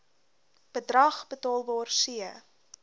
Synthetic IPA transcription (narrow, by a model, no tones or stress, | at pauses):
b̥ədrɐχbətɑːlˠbɑːrsiə